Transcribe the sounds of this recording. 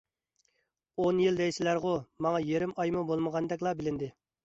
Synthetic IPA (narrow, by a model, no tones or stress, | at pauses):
onjild̪ɛjsɪlæɾʁʊmɑŋɑjeɾɪmɑjmubolˠməʁɑnd̪ɛkʲlˠɑbɪlɪnd̪ɪ